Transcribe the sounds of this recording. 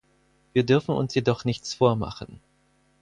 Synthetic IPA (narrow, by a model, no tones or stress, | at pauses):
viːɐdʏɐfn̩ʊ̰nsjedɔχnɪçt͡sfoːɐma̰χn̩